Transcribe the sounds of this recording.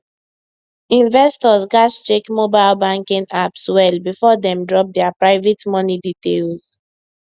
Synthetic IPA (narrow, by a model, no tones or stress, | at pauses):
ĩnvɛstɔzɡast͡ʃekmobaɪlbãŋkĩŋapswɛlbifɔdɛ̃mdɹɔp̚dɛapɹaɪvetmɔniditelz